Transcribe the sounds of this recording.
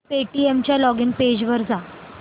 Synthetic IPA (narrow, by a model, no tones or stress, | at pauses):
peʈiemt͡ɕjalɔɡinped͡ʑʋəɾd͡za